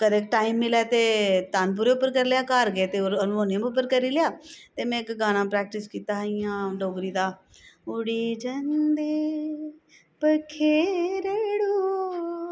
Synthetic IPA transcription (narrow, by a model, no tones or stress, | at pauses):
kəd̪eːk̚ʈaːiːmːɪlɛːt̪eːt̪aːnp̬uːɾeːʊpːəɾkəɾlejaːkaːɾɡeːt̪eːoɾñːoːnãmʊp̬ːəɾkəɾiːlɪjaːt̪eːmɛ̃ːɪkɡaːnãːpɾɛːk̚ʈɪskiːt̪aːɦijãːɖoːɡɾiːd̪aː | ʊɽiːd͡ʒənd̪eː | pəkʰːeːɾeɽoː